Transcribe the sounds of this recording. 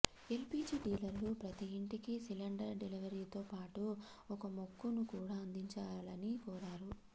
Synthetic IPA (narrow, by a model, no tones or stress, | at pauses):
e̞lpiːd͡ʒiːɖiːlɐɾlupɾɐt̪iiɳʈikisilɐɳɖɐɾɖeliʋɐɾiːt̪oːpaːʈu | ɔkɐmokːunukuːɽaːɐnd̪iɲt͡ʃaːlɐnikɔːɾaːɾu